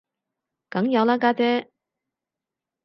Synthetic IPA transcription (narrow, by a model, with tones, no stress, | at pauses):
kɐ˨˥ŋjɐ˨˧wlaː˥kaː˥t͡sɛː˦˥